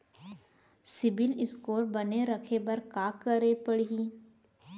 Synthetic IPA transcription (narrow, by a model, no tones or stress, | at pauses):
sɪbɪlɪskoːɾbɐneɾɐkʰebɐɾkaːkəɾepəɽɦi